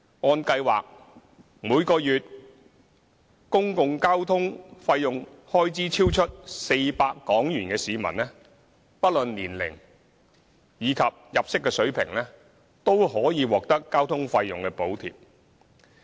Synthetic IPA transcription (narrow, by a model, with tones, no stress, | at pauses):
ɔː˧nkɐ˧jwaː˨k̚ | muː˨˧jkɔː˧jyː˨t̚ | kʊ˥ŋkʊ˧ŋkaː˥wt̪ʰʊ˥ŋfɐ˧jːʊ˨ŋ | hɔː˥jt͡siː˨˥t͡sʰiː˥wt͡ʃʰɵ˥t̚se˧jpaː˧kːɔː˨˥ŋjyː˨˩nkɛː˧siː˨˧mɐ̰˨˩nlɛ˥ | pɐ˥t̚lɵ˨nliː˨˩nlɪ̰˨˩ŋ | jiː˨˧kʰɐ˨p̚jɐ˨p̚sɪ˥kːɛː˧sɵ˨˥ɥpʰɪ̰˨˩ŋlɛː˥ | t̪o˥wɦɔː˨˥jiː˨˧wɔː˨k̚t̪ɐ˥kːaː˥wt̪ʰʊ˥ŋfɐ˧jːʊ˨ŋkɛː˧po˨˥wt̪ʰḭː˨p̚